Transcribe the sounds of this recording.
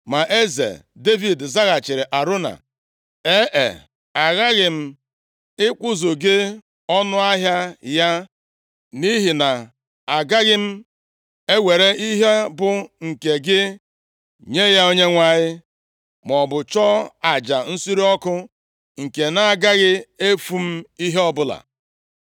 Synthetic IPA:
ma˨ʔe˦zḛ˨de˦vi˨dza˦ɣa˨t͡ʃɪ˨ɾɪ˨ʔa˨ɾʊ˦na̰˨ | e˦ʔḛ˨ | a˨ɣa˦ɣɪ˨m̩˦ | ɪ˦kʷʊ˦zo˨ɡɪ˦ | ɔ˦nʊ˦a˦ɦja˦ja˦ | ni˦ɦi˨na˨ | a˨ɡa˦ɣɪ˦m̩˦ | e˦wʷe˨ɾe˦i˦ɦe˦bʊ˨ŋ̩˨ke˨ɡɪ˦ | ɲe˦ja˦o˦ɲe˦ŋʷa˨ɲɪ˦ | m˨ɔ˨bʊ˨t͡ʃɔ˦a˨d͡ʒa˨n̩˦si˦ɾi˦ɔ˦kʊ˦ | ŋ̩˨ke˨na˨a˨ɡa˦ɣɪ˦e˦fu˦m̩˦i˦ɦe˦ɔ˦bʊ˦la̰˨

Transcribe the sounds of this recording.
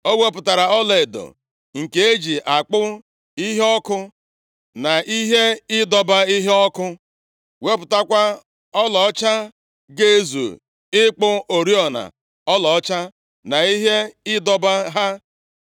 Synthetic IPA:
o˦we˦pʊ˨ta˨ɾa˨ɔ˦le˨e˨do̰˨ | ŋ̩˨ke˨e˦d͡ʒi˨ʔa˨k͡pʊ˦ | i˦ɦe˦ɔ˦kʊ˦ | na˨ʔi˦ɦe˦ɪ˦dɔ˨ba˦i˦ɦe˦ɔ˦kʊ˦ | we˦pʊ˨ta˦kʷa˦ | ɔ˦lɔ˨ɔ˦t͡ʃa˦ | ɡe˦e˦˨zṵ˨ | ɪ˦k͡pʊ˦o˨ɾi˦ɔ˨na̰˨ | ɔ˦lɔ˨ɔ˦t͡ʃa˦ | na˨i˦ɦe˦ɪ˦dɔ˦ba˦ɦa˦

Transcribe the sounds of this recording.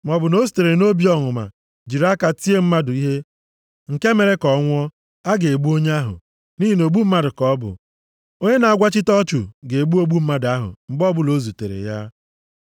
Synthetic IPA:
m˨ɔ˨bʊ˨no˦zu̥˨te˨ɾe˨no˦bi˦ɔ˦ŋʊ˨ma̰˨ | d͡ʒi˨ɾa˦ka˨ti˦e˦m̩˦ma˦dʊ˨i˦ɦe˦ | ŋ̩˨ke˦me˨ɾe˦kɔ˨˦ŋʷ˦ɔ˦ | a˦ɡe˨e˨ɡ͡bu˦o˦ɲe˦a˦ɦʊ̰˨ | ni˦ɦi˨no˨ɡ͡bu˦m̩˦ma˦dʊ˨kɔ˦bʊ̰˨ | o˦ɲe˦na˨a˦ɡʷa˦t͡ʃɪ˦tɔ˦t͡ʃu˨ɡe˨e˨ɡ͡bu˦o˦ɡ͡bu˦m̩˦ma˦da˦ɦʊ̰˨m̩˨bɔ˦bʊ˨lo˨˦zu˨tḛ˨ɾḛ˨ja˦

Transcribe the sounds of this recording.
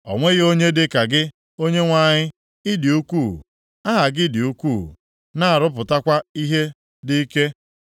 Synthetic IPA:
ɔ̰˨ŋʷe˦ɣo˦ɲe˦dɪ˦ka˨ɡɪ˦ | o˦ɲe˦ŋʷa˦˨ɲɪ˦ | ɪ˦dɪ˨u˦kuː˦˨ | a˦ɦa˨ɡɪ˦dɪ˨u˦kuː˦˨ | na˦a˨ɾʊ˦p̬ʊ˨ta˦kʷa˦i˦ɦe˦ | dɪ˦i˦ke˦

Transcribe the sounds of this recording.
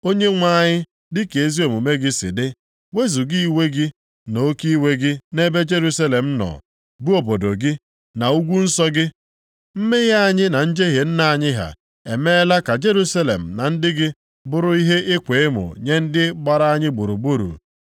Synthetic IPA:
o˦ɲe˦ŋʷa˦˨ɲɪ˦ | dɪ˦ke˨e˦zi˦o˨mu˨me˦ɡɪ˦sɪ̰˨dɪ˦ | we˦zu˨ɡi˦i˦˨we˦ɡɪ˦ | no˦ki˦we˦ɡɪ˦ne˦be˦d͡ʒe˦ɾu˦sa˦le˨m̩˦nɔ̰˨ | bu˦o˨bo˨do˨ɡɪ˦ | na˨u˦ɡʷu˦n̩˦sɔ˦ɡɪ˦ | m̩˦me˦ja˦a˦˨ɲɪ˦na˨n̩˦d͡ʒe˦ɦe˨n̩˦na˦˨a˨ɲɪ˦ɦa̰˨ | ḛ˨me˦la˦ka˨d͡ʒe˦ɾu˦sa˦lḛ˨m̩˨na˨n̩˦dɪ˦ɡɪ˦ | bʊ˦ɾʊ˦i˦ɦe˦ʔɪ˦kʷe˨ɪ˦mʊ̰˨ɲe˦n̩˦dɪ˦ɡ͡ba˨ɾa˦a˦ɲɪ˦ɡ͡bu˨ɾu˨bu˦ɾṵ˨

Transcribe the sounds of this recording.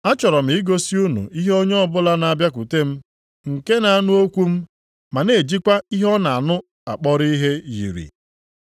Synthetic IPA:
a˦t͡ʃɔ˨ɾɔ˨m̩˨i˦ɡo˦si˦u˦nṵ˨i˦ɦo˦ɲe˦ɔ˦bʊ˦la˦na˨a˨bja˦k̬u˨te˦m̩˦ | ŋ̩˨ke˦na˨a˦nʊ˦o˦kʷu˦m̩˦ | ma˨ne˨d͡ʒi˦kʷa˦i˦ɦɔ˦na˨a˨nʊ˦ | a̰˨k͡pɔ˦ɾi˦i˦ɦe˦jḭ˨ɾḭ˨

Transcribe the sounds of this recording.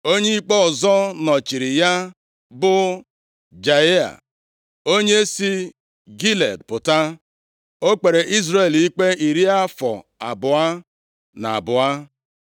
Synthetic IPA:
o˦ɲe˦i˦k͡pɔ˦ɔ˨zɔ˦nɔ˨t͡ʃi˨ɾi˨ja˦ | bʊ˦ | d͡ʒa˨e˦a̰˨ | o˦ɲe˦si˦ | ɡi˦lḛ˨dpʊ˨ta˦ | o˦k͡pe˨ɾe˨ʔi˦zɾe˨li˦k͡pe˦i˨ɾi˦a˦fɔ̰˨ | a˨bʊ˨a˦ | na̰˨a̰˨bʊ˨a˦

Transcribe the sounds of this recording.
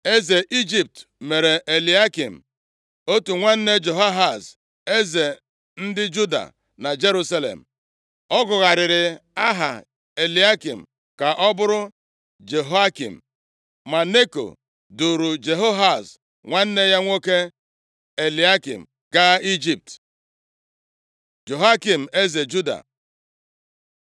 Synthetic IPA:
e˦ze˨ʔi˦d͡ʒi˨p̚tme˨ɾe˨ʔe˨li˨a˦kḭ˨m̩˨ | o˦tu˨ŋʷa˦n̩˦ne˦d͡ʒo˨ɦa˦ɦa˨s | e˦ze˨ | n̩˦dɪ˦d͡ʒu˦da̰˨ | na˨d͡ʒe˦ɾu˦sa˦lḛ˨m̩˨ | ɔ˦ɡʊ˨ɣa˨ɾɪ˨ɾɪ˨a˦ɦa̰˨ | e˨li˨a˦kḭ˨m̩˨ | ka˨ʔɔ˦bʊ˦ɾʊ˦ | d͡ʒe˨ɦo˦a˦kḭ˨m̩˨ | ma˨ne˦ko̰˨ | du˨ɾu˨d͡ʒe˨ɦo˦ɦa˦˨s | ŋʷa˦n̩˦ne˦ja˦ŋʷo˦ke˦ | e˨li˨˦a˦kḭ˨m̩˨ | ka˦i˦d͡ʒi˦p̚t | d͡ʒe˨ɦa˦ki˨m̩˨e˦ze˨d͡ʒu˦da̰˨

